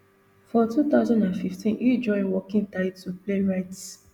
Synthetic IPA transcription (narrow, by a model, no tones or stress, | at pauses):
fɔtut̪aʊzɔ̃ndãnfiftʰĩnid͡ʒɔ̃ɪ̃nwɔkĩŋtaɪdtupleɹaɪt